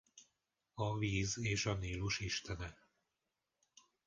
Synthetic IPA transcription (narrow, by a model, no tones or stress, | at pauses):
ɒviːzeːʃɒniːlːuʃiʃt̪ɛnɛ